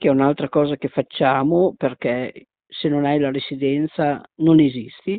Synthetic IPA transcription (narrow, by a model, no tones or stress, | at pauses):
kɛunalt̪ɾakɔːzakefːat͡ʃːaːmoperkɛ | senonajlaɾesid̪ɛnt̪sanonezist̪i